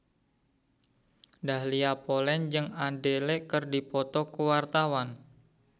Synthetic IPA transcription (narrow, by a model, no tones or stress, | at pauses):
dahliapolɛnd͡ʒɨŋandelɛʔkərdipɔt̪ɔkuwart̪awan